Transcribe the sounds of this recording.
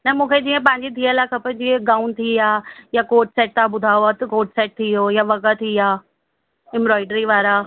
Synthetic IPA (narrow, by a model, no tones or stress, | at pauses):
nɐmũːkʰed͡ʑiːə̃pɐ̃ɦɪ̃ɲd͡ʑid̪ʱiːəlaːkʰɐpəd͡ʑieɡaːʊnt̪ʰiaːjakoːʈsɛːʈ̚t̪aːbʊd̪ʱaːoat̪ɐkoːʈsɛːʈ̚t̪ʰiɦojaʋɐɣət̪ʰiaː | ɪ̃mbɾɔːɪɖɾiʋaːɾa